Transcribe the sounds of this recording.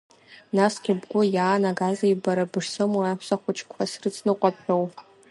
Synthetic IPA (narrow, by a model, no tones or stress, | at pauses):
nasɡʲɪbɡʷʊjaːnaɡazajbaɾabɨʂsɨmuapʰsaχʷʊt͡ʃʰkʷʰasrɨt͡sʰnɨqʷʼapħow